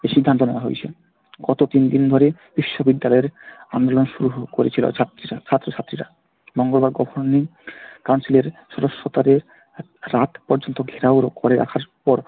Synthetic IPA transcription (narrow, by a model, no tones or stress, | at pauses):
eʃid̪ʱːant̪oneoaɦo̰jt͡ɕʰe | ɡɔt̪ot̪ind̪ind̪ʱoɾe | b̥iʃːobid̪ːalɔeɾand̪olonʃuɾuɦkoɾḛt͡ɕʰilo̰t̪t͡ɕʰat̪ːɾoʃʰat̪ːɾiɾa̰ | bɔŋɡobaɾɡɔbʱoɾnikawnsileɾʃɔɾoʃːot̪aɾeɾː | at̪pɔɾd͡ʑont̪oɡʱeɾaoɾokoɾeɾa̰kʰaɾpɔɾ